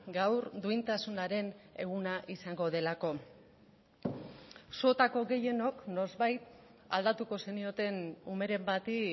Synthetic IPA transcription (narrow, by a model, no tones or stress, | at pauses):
ɡawɾd̪uint̪asunaɾe̞ne̞̰ɣ̞unaʔisaŋɡo̞ð̞e̞lako̞ | sot̪ako̞ɣe̞je̞no̞kno̞zβajt̪ | a̰ld̪at̪uko̞senio̞t̪e̞nume̞ɾe̞mbat̪i